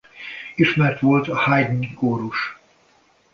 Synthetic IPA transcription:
iʃmɛrt̪ʋolt̪ɒhajd̪nikoːɾuʃ

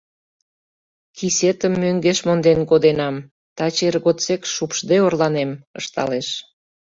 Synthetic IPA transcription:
kiset̪əmːøŋɡeʃmond̪enkod̪enɑm | t̪ɑt͡ɕerɣot͡sekʃupʃd̪eorlɑnemə̰ʃt̪ɑ̰leʃ

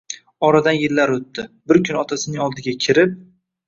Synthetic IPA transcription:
ɒɾad̪anjɪlːaɾot̪ːɪbɪɾkʰʊnɒt̪ʰasɪnɪŋɒlˠd̪ɪɡʲakʲʰɪɾɪp̚

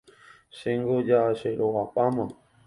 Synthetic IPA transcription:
ʃeŋɡod͡ʒaʃeɾoapʼama

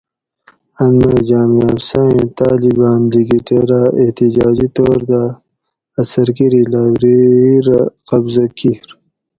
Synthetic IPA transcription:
ɐnmed͡ʒaːmiafsaːẽt̪aːlibaːnliɡiʈeɾaeht̪id͡ʒaːd͡ʒit̪oːɾd̪aː | sɐɾkiɾilaːbɾiɾqɐbzɐkiɾ

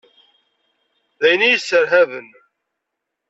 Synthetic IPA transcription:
ðæjənijəsːəɾɦævən

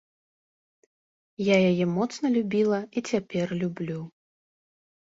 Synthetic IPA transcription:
jajajɛmɔt̪snɐlʲubʲilˠɐit͡sʲapʲɛrlʲublʲu

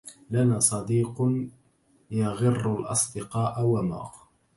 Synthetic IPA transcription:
lanaːsˤɑd̪iːqn | jaɣɪrːalʔɑ̰sˤd̪ɪqɑːʔawama̰ːɣ

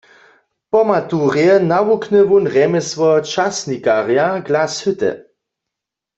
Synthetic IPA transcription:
pɔmat̪uʁjɛnawuknɛvunʁɛmɛsʋɔt͡ʃasnikaʁjaɡlashʏt̪ɛ̰

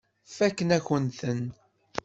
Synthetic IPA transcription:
fækːənæçənt̪ən

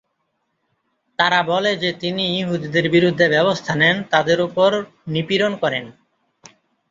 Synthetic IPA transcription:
t̪aɾabɔled͡ʑet̪inijiɦud̪id̪eɾbiɾud̪ʱːebɛbost̪ʰanɛnt̪ad̪eɾupoɾ | nipiɾonkɔɾen

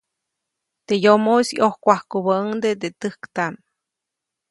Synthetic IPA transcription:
t̪ejomosiʔohkʷahkubəŋd̪ed̪et̪ɨhkt̪an

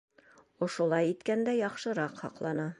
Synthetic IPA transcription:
ŏʃŏlˠɑjit̪kænd̪æjɒχʃɤ̆ɾɑqhɒqlˠɑnɑ

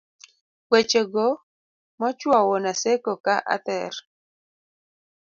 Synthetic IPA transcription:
wet͡ʃoɡo | mɔt͡ʃwɔwɔnasekokaʔa̰t̪ɛr

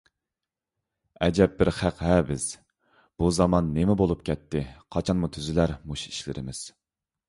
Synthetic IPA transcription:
ɛ̰d͡ʒɛp̚bɪɾχæqɦɛbɪz̥ | b̥uzɑmɑnːemɪbolˠup̚kʲʰɛt̪ʰːɪqʰɑt͡ʃʰɑnmut̪ʰyzɪlæɾmuʃiʃlɪ̰ɾɪmɪz̥

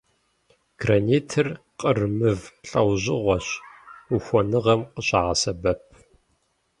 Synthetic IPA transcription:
ɡ̥rɐneːtʰɨr | qʼərmɨvɬʼɐwʑɪʁʷɔɕuxʷɔnɨʁɐmqəɕʼaʁɐsɐbɐp̚ʰ

